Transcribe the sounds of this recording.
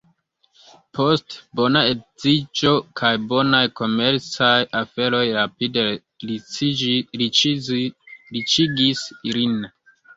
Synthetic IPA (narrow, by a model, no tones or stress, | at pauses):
po̞stbo̞naezid͡ʒokʰajbo̞najko̞me̞ɾt͡sajʔafe̞ɾo̞jɾapide | ɾi | ɾit͡ʃiɡisiɾin